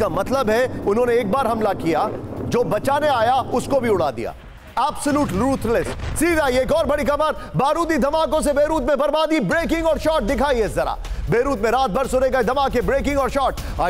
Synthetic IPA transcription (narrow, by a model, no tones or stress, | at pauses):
amɐt̪ləbɦɛʊnɦõːneːk̚baːɾɦɐmlakijad͡ʒoːbɐt͡ʃaːneaːjaʊskobʱiʊɽ̤a̰ːd̪ḭja̰ː | ɛːbsəluːʈɾuːt̪ʰlɪsʈsiːɾaːieːkɔːɾbɐɽikɐbəɾ | baːɾuːt̪id̪ʱɐmaːkõs̬ebeːɾuːt̪̬mẽbɐɾbaːd̪ibɾeːkɪ̃ŋɡɔːɾʃɔːʈ̚d̪ɪkʰaːieɪszɐɾa̰ːbeːɾuːt̪mẽɾaːt̪̚bʱɐɾsʊɾeɡɐid̪ʱɐmaːkebɾeːkɪ̃ŋɡɔːɾʃɔːʈ | aː